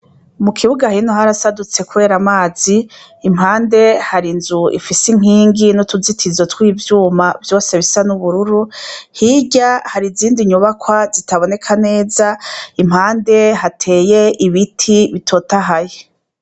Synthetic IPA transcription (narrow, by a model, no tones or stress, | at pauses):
mukʰiβuɡahinoɦaɾasadut͡se̞kuβe̞ːɾamaːz̥iː | mhaːnde̞haɾinzuḭfisiŋ̥iːŋɡinutuzitʰizotwiːvjuːmavjo̞ːse̞βisanuβuɾuɾuhiɟahaɾiziːndiɲuβakʰwazitaβo̞ne̞kʰane̞ːzaim̥haːnde̞ɦatʰe̞ːjeiβitʰiβitʰo̞taɦaje